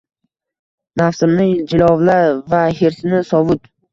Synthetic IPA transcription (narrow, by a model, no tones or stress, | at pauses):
nafsɪmnɪŋd͡ʒɪlɒvlaɾvaheɾsɪnɪsɒvʊt̪